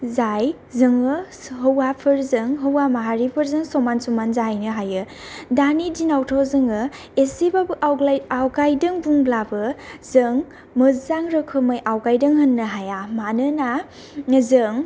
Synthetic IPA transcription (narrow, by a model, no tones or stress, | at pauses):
zaj | zɯŋɯ | ɦəwapʰɯɾzɯŋɦəwamaɦaɾipʰɯɾzɯŋsɔmansumanzajnɯɦajɯ | danidinawtʰawzɯŋɯ | esebabʔwawɡajdɯŋbuŋblabɯzɯŋ | mɯzaŋɾɯkʰɯmajʔawkajdɐŋɦɐnːɯɦajamanɯna | zɯŋ